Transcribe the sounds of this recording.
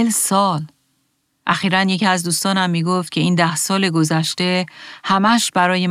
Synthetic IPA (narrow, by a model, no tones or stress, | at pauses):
lsɒːl | ʔæxiːɾænje̞cʰiæzd̪uːst̪ɒːnæmːiːɡoft̪̚cʰe̞iːnd̪æhsɒːle̞ɡo̞zæʃt̪e̞hæmæʃbæɾɒːje̞